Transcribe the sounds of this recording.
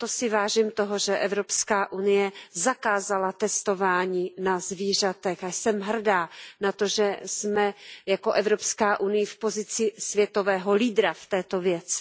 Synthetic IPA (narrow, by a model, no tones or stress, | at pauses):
t̪osɪvaːʒiːmt̪oɦoʒɛʔɛvɾo̞pskaːʔunɪjɛzakaːzalat̪ɛst̪o̞vaːɲiːnazviːr̝at̪ɛxajsɛmɦr̩daːnat̪oʒɛsmɛjako̞ʔɛvɾo̞pskaːʔunɪjɪfpo̞zɪt͡sɪsvjɛt̪o̞vɛːɦo̞liːd̪ɾaft̪ɛːt̪o̞vjɛt͡sɪ̥